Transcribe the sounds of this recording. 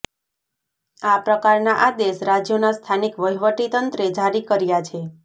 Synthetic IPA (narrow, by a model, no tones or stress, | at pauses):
apɾəkaɾnaʔad̪eʃɾad͡ʒjonast̪ʰanikʋəɦiʋəʈit̪ənt̪ɾed͡ʒaɾikəɾjat͡ʃʰe